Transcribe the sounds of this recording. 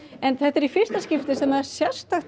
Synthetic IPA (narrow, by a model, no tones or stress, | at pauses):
ɛnθɛht̪ɛɾifɪr̥st̪ascɪft̪ɪsɛmaðɛɾ̥sjḁst̪axt̪